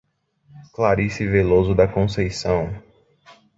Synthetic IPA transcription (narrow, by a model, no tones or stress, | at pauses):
klaɾisivelozʊd̪ɐkõsejsɐ̃w̃